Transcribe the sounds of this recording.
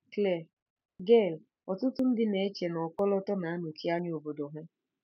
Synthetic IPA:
kle˨ | ɡe˦˨l | ɔ˨tʊ˦tʊ˦n̩˦dɪ˦ne˨e˦t͡ʃe˨nɔ˨kɔ˦lɔ˦tɔ˦na˨a˦nu˨kʰi˦a˦ɲ˦o˨bo˨do˨ɦe˦

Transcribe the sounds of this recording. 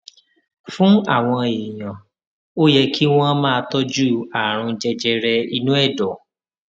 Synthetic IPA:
fũ˦a˦˨w̃ɔ̃˧e˨j̃ã˨ | o˦jɛ˧kʰi˦w̃ɔ̃˦mãː˦˧tɔ˦d͡ʒu˦a˨ɾ̃ũ˧d͡ʒɛ˧d͡ʒɛ˧ɾɛ˧i˧nũ˦ɛ˦˨dɔ˨

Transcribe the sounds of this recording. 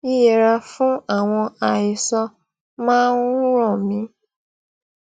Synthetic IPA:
i˦je˨ɾa˧fũ˦a˨w̃ɔ̃˧a˨jɪ˨sɔ˧ | mãː˦nũ˦ɾɔ˨mĩ˧˦

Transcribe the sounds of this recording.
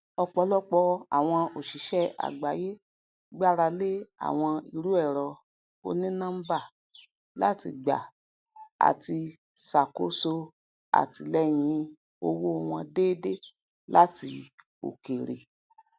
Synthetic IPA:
ɔ˧k͡pɔ˧˦lɔ˦k͡pɔ˧a̰˨w̃ɔ̃˧o˨ʃi˨˦ʃɛ˦a̰˨ɡ͡ba˨je˦ | ɡ͡ba˦ɾa˧le˦a̰˨w̃ɔ̃˧i˨ɾu˨˦ɛ˦˨ɾɔ˨ | o̰˧nĩ˦nã˦ba˦˨ | la̰˦ti˧ɡ͡ba̰˨ | a̰˨ti˧ | sa˨ko˨˦so˧ | a̰˨ti˨lɛ˦j̃ĩ˨˧˦ | o˧wu˦˧˨w̃ɔ̃˧deː˦de˦ | la˦ti˧ | o̰˨ke˨ɾḛ˨

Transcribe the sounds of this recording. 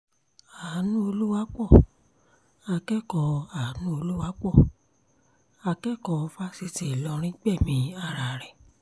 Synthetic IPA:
a˨˦nũ˦o˧lu˦wa˦k͡pɔ˦˨ | a˧kɛ˦kɔ˧a˨˦nũ˦o˧lu˦wa˦k͡pɔ˦˨ | a˧kɛ˦kɔ˧fa˦si˧ti˨lɔ˧˦ɾ̃ĩ˦ɡ͡bɛ˦˨mĩ˨˧˦a˦˧˨ɾa˨ɾɛ˨

